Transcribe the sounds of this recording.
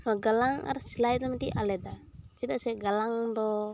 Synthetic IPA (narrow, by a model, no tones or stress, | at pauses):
maɡalaŋa̰ɾsilajd̪amat̪iʔalɛd̪at͡ʃid̪aʔsɛɡalaŋd̪ɔ